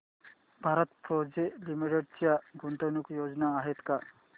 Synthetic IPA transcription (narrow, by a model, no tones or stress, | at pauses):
bʱaɾət̪pɾod͡zelimiʈeɽ̚t͡ɕjaɡunt̪onukjod͡znaːɦet̪ka